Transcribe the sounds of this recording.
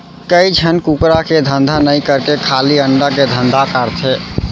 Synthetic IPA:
kəid͡ʒʰʱənkukɾaked̪ʱənd̪ʱanəĩkəɾkekʰaːliəɳɖaked̪ʱə̃nd̪ʱakaɾt̪ʰe

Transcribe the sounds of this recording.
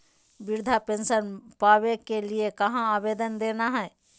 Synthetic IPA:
bɪɾd̪ʱapẽːnsənpaːʋekeliekɐɦãaːbeːd̪ənd̪eːnaɦɛː

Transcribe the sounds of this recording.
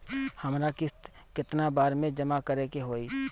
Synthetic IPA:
hɐmɾakɪt̪ | kɪt̪nabaːɾmẽd͡ʒəmakəɾekeɦoːi

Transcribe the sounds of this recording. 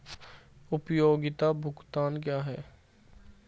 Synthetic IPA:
ʊpjoːɡɪt̪abʱʊkt̪aːnkjaːɦɛː

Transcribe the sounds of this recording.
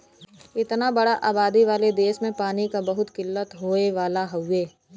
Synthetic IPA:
ɪt̪nabɐɽaʔaːbaːd̪iʋaːled̪eːʃmẽpaːnikabɐɦʊt̪kɪlːət̪ɦoːeʋaːlaɦɐʊeː

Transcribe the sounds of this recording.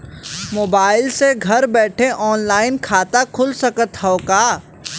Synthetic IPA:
moːbaːɪlseɡʱɐɾbɛːʈʰeʔɔːnlaːɪnkʰaːt̪akʰʊlsɐkət̪ɦɔokaː

